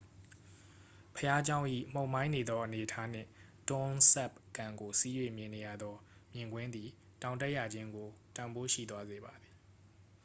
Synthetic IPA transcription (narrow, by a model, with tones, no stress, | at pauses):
pʰəja˦d͡ʑã˦ʊ̃ʔḭ˦˨m̥o˨ʊ̃mã˦ɪ̃ne˨d̪ɔ˦ʔəne˨ətʰa˦n̥ɪ̰̃˦˨tɔ̃˦nsɛ˦˨p̚kã˨ŋɡo˨si˦jwe˦˨mjɪ̃˨ne˨ja̰˦˨d̪ɔ˦mjɪ̃˨ŋɡwɪ̃˦nd̪ði˨ | tã˨ʊ̃ntɛ˦ʔja˨d͡ʑɪ̃˦ŋɡo˨tã˨mbo˦ʃḭ˦˨t̪wa˦ze˨ba˨d̪ði˨